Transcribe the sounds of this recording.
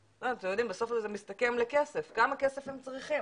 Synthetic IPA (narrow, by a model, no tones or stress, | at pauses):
loatemjod̪imbeso̞fzezemistake̞mlekese̞fɡamakesefhemt͡sʁiχi